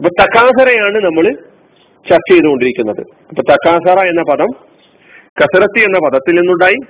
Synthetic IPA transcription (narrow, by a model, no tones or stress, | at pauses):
ɐpːoːɭt̪ɐkːaːsɐɾɐjaːɳɨnɐmːɐɭɨ | t͡ɕɐrt͡ɕːeːðuɣo̞ɳɖiɾikʲːunːɐðɨ̰ | ɐpːoːɭt̪ɐkːaːsaːɾaːjenːɐpɐðɐm | kɐsɐɾɐt̪ːienːɐpɐðɐt̪ːilnenːuɳɖaːji